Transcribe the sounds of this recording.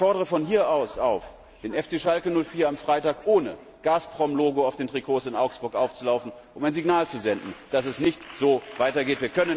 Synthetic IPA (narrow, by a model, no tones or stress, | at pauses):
fɔɐdɾəʁəfɔnhiːɐʔasʔaʊf | d̥eːnɛft͡seːʃalkənʊlfiːɐamfʁ̥aɪtaːkʔoːnə | ɡ̥aːspʁ̥ɔmloːɡoaʊfd̥eːntʁ̥ikʰoːsɪnʔaʊksb̥ʊɐkʔaʊft͡sulaʊfn̩ʔʊmaɪnziɡnaːlt͡suzɛndn̩d̥as̬ɛsnɪçtz̥oːvaɪtɐɡeːtv̥iːɐkʰœnən